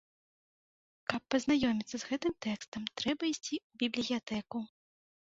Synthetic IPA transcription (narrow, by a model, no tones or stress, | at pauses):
kɐpːɐznajɔmʲit̪sːɐzɣɛt̪ɨmt̪ɛkst̪ɐmt̪ɾɛbɐisʲt͡sʲiubʲiblʲijat̪ɛku